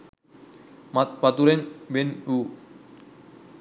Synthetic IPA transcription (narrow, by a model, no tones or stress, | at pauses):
mat̪pat̪uɾenbenu